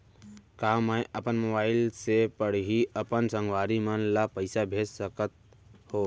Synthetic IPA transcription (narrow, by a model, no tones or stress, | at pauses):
kaːmajʔəpənmoːbaːɪlsepəɽ̤ɦiəpənsə̃ŋɡwaːɾimənlapəɪsabʱeːd͡ʒsəkət̪̚ | hoː